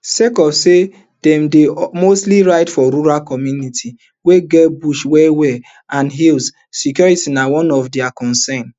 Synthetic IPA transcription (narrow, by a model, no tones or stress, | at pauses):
sekɔfse | dɛ̃mdemostliɹaɪtfɔɾuɾalkɔmjunitʰi | weɡɛbuʃwɛwɛ | ãnɦils | sikjɔɹitinawɔ̃nɔfdɛakɔ̃nsɛ̃n